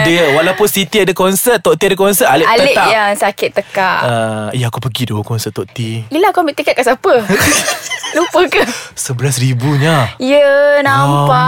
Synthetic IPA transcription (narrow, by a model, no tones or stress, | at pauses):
diwalawpʊnsit̪iadakɔnsət̪̚ːɔʔt̪iadakɔnsəʔalɪʔalɪʔajaŋsakɪt̪ːəkaʔəjaakupəɡidokɔnsət̪ːɔʔt̪iilakambiʔt̪ikɛʔ̚kaʔsapə | lupəkasəbəlas̬ɾibuɲaijənãmpaʔ